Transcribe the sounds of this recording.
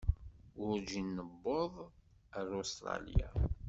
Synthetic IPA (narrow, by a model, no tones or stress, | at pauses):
ʊɾd͡ʒinːəbːoðˤəɾost̪ɾˤɑ̰lḭja̰